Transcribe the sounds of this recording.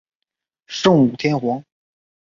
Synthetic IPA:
ʂɤ˥˩ŋu˨˩t̪ʰjɛ˥nxwɑ˧˥ŋ

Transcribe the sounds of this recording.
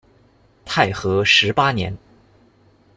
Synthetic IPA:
t̪ʰa˥˩ɪxɤ˧˥ʂɻ̩˧˥pa˥njɛ̰˧˥n

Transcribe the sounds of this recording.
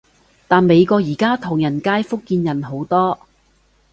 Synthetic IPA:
t̪aː˨nme˨˧jkɔː˧k̚jiː˨˩kaː˥t̪ʰʊ˨˩ŋjɐ˨˩nkaː˥jfʊ˥kːiː˧njɐ˨˩nɦo˨˥wt̪ɔː˥

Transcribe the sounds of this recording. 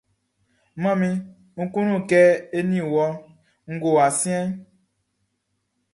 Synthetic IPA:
mã˦mĩ˦ | ŋ̩˦kũ˦nũ˦˨kɛ˦e˦nĩ˦˨wɔ˦ | ŋ̩˦ɡo˨a˨sĩ˦ɛ̃˦

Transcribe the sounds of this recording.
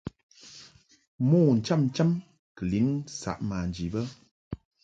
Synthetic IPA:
mɔː˦˨n̩˨t͡ʃa˦˨mn̩˦t͡ʃa˦m | kə˨li˨˦ŋsa̰˨ʔmaː˨n˨d͡ʒi˨bə˦

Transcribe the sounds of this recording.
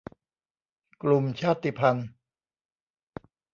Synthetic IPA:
klu˧mt͡ɕʰaː˥˩t̪ːi˧˩pʰa˧n

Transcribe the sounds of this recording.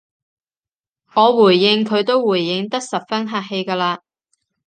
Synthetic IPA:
ŋɔː˨˧wuː˨˩jːɪ˧ŋkʰɵ˨˧ɥt̪o˥wwuː˨˩jːɪ˨˧ŋt̪ɐ˥k̚sɐ˨p̚fɐ˥nɦaː˧k̚he˧jkaː˧laː˧

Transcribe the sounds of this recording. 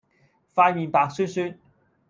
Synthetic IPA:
faː˧jmiː˨˧npaː˨˧k̚syː˥nsyː˥n

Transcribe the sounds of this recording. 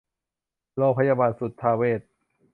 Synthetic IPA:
loː˧˩ŋpʰa˧jaː˧baː˧nsu˨˦t̪ʰːaː˧weː˥˩t̪̚

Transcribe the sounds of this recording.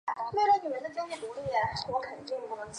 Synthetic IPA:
we˥˩la˧˥ni˨˩ə˧˥nd̪ə˧t͡ɕjɑ˥ʊt͡ɕjɛ˥˩p̪u˧˥li˥˩a˩wɔ˧˥kʰə˨˩nt͡ɕi˥˩ŋ˧˥˩

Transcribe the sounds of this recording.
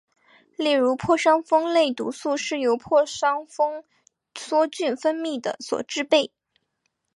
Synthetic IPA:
ljɛ˥˩ɻu˧˥pʰwɔ˥˩ʂɑ˥ŋfɤ˥ŋle˥˩ɪt̪ṵ˧˥su˥˧ʂɻ̩˥˩jo˧˥ʊpʰwɔ˥˩ʂɑ˥ŋfɤ˥ŋ | swɔ˥t͡ɕy˥˩nfə˥nmi˥˩d̪ə̰˩swɔ̰˨˩ʈ͡ʂɻ̩˥˧pe˥˩ɪ

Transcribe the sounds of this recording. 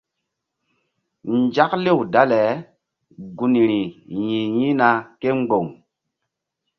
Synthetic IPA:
n˦d͡ʒa˦k̚le˦˨wda˦lɛ˨˦ | ɡu˨ni˨ɾi˨jĩ˨jĩ˦na˧ke˦ŋ͡mɡ͡bo˨ŋ

